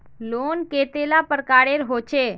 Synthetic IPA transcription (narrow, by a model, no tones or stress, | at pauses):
lonket̪elapəɾkaɽeɾɦot͡ʃʰe